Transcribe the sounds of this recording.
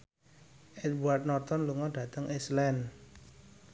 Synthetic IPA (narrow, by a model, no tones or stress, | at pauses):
ʔɛt̪̚buat̪̚nɔrt̪ɔnluŋɔɖ̥ä̤t̪əŋʔislɛn